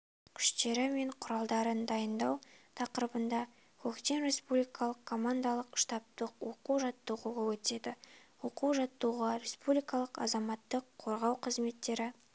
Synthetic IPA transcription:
kʲʰʏ̥ʃt̪e̞ɾɪme̞ɴqʰʊɾɑlˠd̪ɑɾənd̪ɑjənd̪ɑwt̪ʰɑqəɾəbənd̪ɑ | kʲʰɵkt̪e̞nɾe̞spublijkʰɑlˠəqkʰo̞mand̪alˠəqʃt̪ɑp̚t̪əqwo̞quwʒɑt̪ːuʁuʁɑwɵt̪e̞d̪ɪwo̞quwʒɑt̪ːuʁɑɾe̞spublijkɑlˠəqɑ̰zɑmɑt̪ːəqʰːo̞ɾʁɑwqʰəzme̞t̪ːe̞ɾɪ

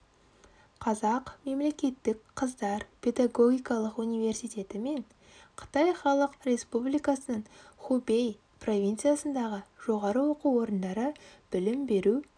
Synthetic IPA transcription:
qʰɑzɑqme̞mle̞kʲe̞t̪ːɪkqʰəzd̪ɑɾpʲʰe̞d̪aɡo̞ɡʲijkɑlˠəqunijvʲe̞rsijt̪ʲe̞t̪ɪme̞ɴ | qʰə̥t̪ɑjχɑlˠəqre̞spublijkɑsənəɴχube̞j | pro̞vʲijnt̪sijasənd̪ɑʁəʒ̥o̞ʁɑɾəwo̞quwo̞ɾənd̪ɑɾəb̥ɪlɪmbe̞ɾu

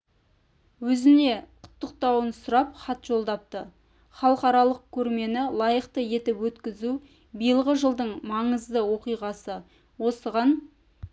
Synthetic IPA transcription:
wɵzɪne̞qʰʊ̥t̪ːəq̚t̪ɑwənsʊɾɑpχɑt̪ʒo̞lˠd̪ɑp̚t̪ə | χɑlˠəqɑɾɑlˠəq̚kʲʰɵɾme̞nɪlˠɑjəqt̪əje̞t̪ɪpwɵt̪kʲɪzu | bijəlˠʁəʒəlˠd̪əɴmɑɴəzd̪əwo̞qijʁɑsə | wo̞səʁɑn

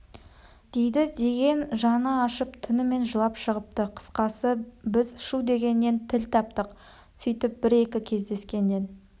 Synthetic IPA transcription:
d̪̥e̞jd̪ɪd̪e̞ɡʲe̞nʒɑnəɑʃəpt̪ʰʏnɪme̞nʒəlˠɑpʃəʁəp̚t̪əqʰə̥sqɑsəbɪzʃud̪e̞ɡʲe̞nːe̞nt̪ʰɪlt̪ʰɑp̚t̪əq | sʏjt̪ɪp̚bɪɾe̞kʲɪkʲʰe̞zd̪e̞skʲe̞nːe̞n

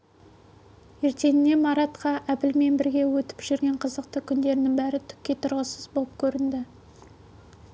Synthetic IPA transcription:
e̞ɾt̪e̞nɪne̞mɑɾɑt̪qɑʔæbɪlme̞nbɪɾɡʲe̞wɵt̪ɪ̥pʒ̥ʏɾɡʲe̞ɴqʰəzəqt̪əkʲʰʏnd̪e̞ɾɪnɪŋbæɾɪt̪ʰʏ̥kʲːe̞t̪ʰʊɾʁəsəzbolˠəp̚kʲʰɵɾɪnd̪ɪ

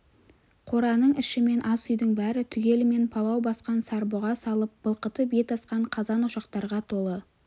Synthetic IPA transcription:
qʰo̞ɾɑnəɴɪʃɪme̞nʔɑsʏjd̪əɴbæɾɪt̪ʰʏɡʲe̞lɪme̞npʰɑlˠɑwbɑsqɑnsɑɾboʁɑsɑlˠəp̚b̥əlˠqət̪əbet̪ʰɑsqɑɴqʰɑzɑnʊʃɑqt̪ɑɾʁɑt̪ʰo̞lˠə

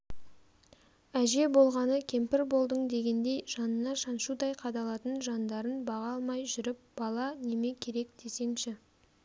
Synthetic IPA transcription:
æʒe̞bo̞lˠʁɑnəkʲʰe̞mpɪɾbo̞lˠd̪əɴd̪e̞ɡʲe̞nd̪e̞jʒɑnənɑʃɑnʃud̪ɑjqʰɑd̪ɑlˠɑt̪ənʒɑnd̪ɑɾənbɑʁɑlˠmɑjʒʏɾɪp̚b̥ɑlˠɑne̞me̞kʲʰe̞ɾe̞k̚d̪̥e̞se̞nʃɪ

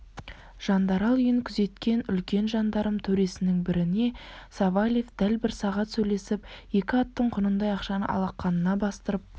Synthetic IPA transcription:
ʒ̥ɑnd̪ɑɾɑlˠʏjɪŋkʲʰʏze̞t̪kʲe̞nʏlkʲe̞nʒɑnd̪ɑɾəmt̪ʰɵɾe̞sɪnɪŋbɪɾɪne̞sɑvalʲefd̪̥ælbɪɾsɑʁɑt̪sɵjle̞sɪpje̞kʲɪɑt̪ːəɴqʰʊnənd̪ɑjɑqʃɑnə̰ʔɑ̰lˠɑqːɑnənɑbɑst̪əɾəp̚

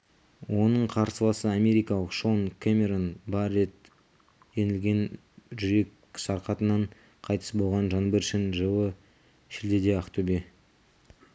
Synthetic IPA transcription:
wo̞nəɴqʰɑɾsəlˠɑsəamʲe̞ɾijkɑlˠəqʃo̞nkʰamʲeɾonbɑɾet̪ | jenɪlɡʲe̞n | ʒʏɾe̞kʲ | sɑɾqɑt̪ənɑɴ | qʰɑjt̪ə̥sbo̞lˠʁɑnʒɑnbeɾʃɪnʒəwə | ʃɪld̪ed̪eɑqt̪ʰobe

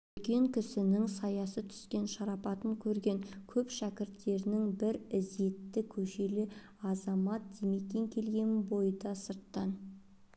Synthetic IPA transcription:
ɵlkʲe̞ŋkʲʰɪsɪnɪŋsɑjɑsət̪ʰʏ̥skʲe̞nʃɑɾɑpɑt̪əŋkʲʰɵɾɡʲe̞ŋkʲʰɵpʃækʲɪɾt̪ːe̞ɾɪnɪŋbɪɾɪze̞t̪ːɪkʲʰɵʃe̞lɪ | ɑzɑmɑt̪̚d̪eme̞kʲe̞ŋkʲʰe̞lɡʲe̞nbo̞jəd̪ɑsəɾt̪ːɑn

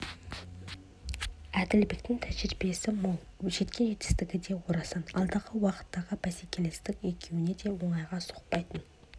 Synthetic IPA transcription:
æd̪ɪlbek̚t̪ɪŋt̪ʰæʒɾɪbije̞sɪm | ʒe̞t̪kʲʰe̞net̪ɪ̥st̪ɪɡʲɪd̪e̞woɾɑsɑnɑlˠd̪ɑʁəwɑqə̥t̪ːɑʁəbæsekʲʰe̞lest̪ɪkʲe̞kʲʰe̞wɪne̞d̪e̞wo̞ɴɑjʁɑso̥q̚pɑjt̪ən

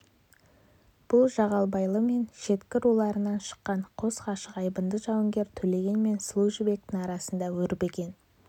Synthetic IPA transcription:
b̥ʊlˠʒɑʁɑlˠbɑjlˠəme̞nʃe̞t̪kʲɪɾulˠɑɾənɑnʃə̥qːɑɴqʰo̞sqɑʃəqɑjbənd̪əʒɑwəŋɡʲe̞ɾt̪ʰɵle̞ɡʲe̞nme̞nslˠuʒibe̞k̚t̪ɪŋɑɾɑsənd̪ɑwɵɾɪpe̞ɡʲe̞n

